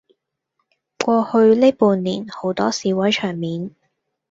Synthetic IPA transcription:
kʷɔː˧hɵ˧ɥleː˥puː˨˧nliː˨˩nho˨˥wt̪ɔː˥siː˨˧wɐ˨˥jt͡ʃʰœː˨˩ŋmiː˨˧n

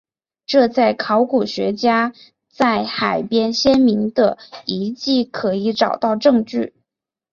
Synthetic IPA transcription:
ʈ͡ʂɤ˥˧t͡sa˥˩ɪkʰɑ˧˥ʊku˨˩ɕɥɛ˧˥t͡ɕja˥ | t͡sa˥˩ɪxa˨˩ɪpjɛ˥nɕjɛ˥nmi˧˥ŋd̪ə˧i˧˥t͡ɕi˥˩kʰɤ˧˥i˧˥ʈ͡ʂɑ˨˩ʊt̪ɑ˥˧ʊʈ͡ʂɤ˥˧ŋʈ͡ʂy˥˩

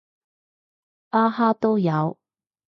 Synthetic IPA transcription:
ʔaː˥haː˥t̪o˥wjɐ˨˧w

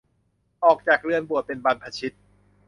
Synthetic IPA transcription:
ʔɔː˨˩k̚t͡ɕaː˨˩k̚ɾɯ˧ənbu˨˩ət̪̚pe˧nba˧npʰa˧t͡ɕʰi˦˥t̪̚

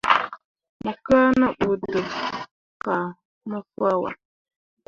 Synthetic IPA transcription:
mə˨ka˦nə˦ɓu˨də˨ | ka˨ | nə˦fa˦wa̰˨

